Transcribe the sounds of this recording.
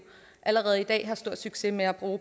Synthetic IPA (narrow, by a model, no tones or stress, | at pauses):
ʔæləʁɛːð̞̩ˠid̥ɛ̰ːɦɑ̈sd̥o̝ɐ̰d̥syɡ̥se̝meæb̥ʁuː